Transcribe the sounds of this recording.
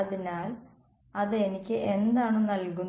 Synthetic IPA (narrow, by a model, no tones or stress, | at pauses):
ɐðinaːl | ɐðɨe̞nikʲːɨʔe̞nd̪aːɳɨnɐlku